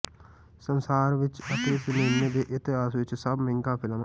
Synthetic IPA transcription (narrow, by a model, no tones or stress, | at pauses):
sənsaːɾʋɪt͡ʃət̪eːsɪneːneːd̪eːʔɪt̪ɪɦaːsʋɪt͡ʃsəbmɪ̃ŋkaːpʰɪlãːn